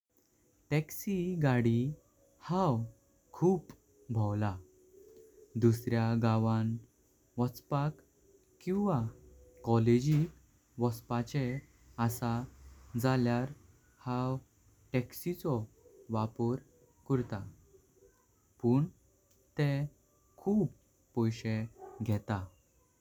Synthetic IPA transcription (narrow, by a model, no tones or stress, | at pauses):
ʈɛksiɡaɽi | hãw | kʰuːp | bʱɔwla | d̪usɾjaɡãʋãn | ʋɔt͡spak | kːĩw̃ʋakɔled͡ʑik | ʋɔspat͡ɕe | asad͡zaljaɾ | hãw | ʈɛksit͡sɔ | ʋapɔɾ | kəɾt̪a | puːɳ | t̪ẽ | kʰuːpː | ɔjɕeɡʱɛt̪a